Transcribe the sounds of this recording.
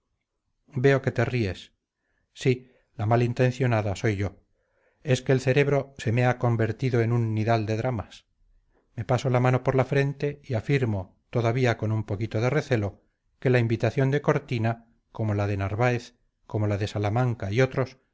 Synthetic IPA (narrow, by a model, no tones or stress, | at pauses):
be̞o̞ke̞t̪e̞rie̞sː | i | lamalint̪e̞n̟θjo̞naðaso̞jʝo̞ | e̞ske̞ːlθe̞ɾe̞βɾo̞se̞meako̞mbe̞ɾt̪iðo̞e̞nunːiðald̪e̞ðɾamas | me̞paso̞lamano̞po̞ɾlafɾe̞nt̪e̞iafiɾmo̞ | t̪o̞ðaβiako̞numpo̞kit̪oð̞e̞re̞θe̞lo̞ | ke̞laimbit̪aθjo̞nd̪e̞ko̞ɾt̪ina | ko̞mo̞laðe̞naɾβaeθ | ko̞mo̞laðe̞salamãŋkaio̞t̪ɾo̞s